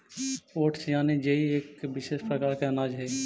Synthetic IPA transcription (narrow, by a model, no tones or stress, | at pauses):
oːʈsd͡ʒaːned͡ʒeieːkbɪʃeːʃpɾəkaːɾkeɐnaːd͡ʒɦɛː